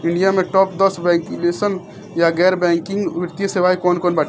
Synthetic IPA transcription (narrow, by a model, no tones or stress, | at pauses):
ɪ̃ɳɖijamẽʈɔːpd̪əsʋɛ̃ŋkjuleːsən | jaɡɛːɾbɛ̃ːŋkɪ̃ŋɡʋɪɾt̪ijeseʋaːikɔːnkɔːnbaʈ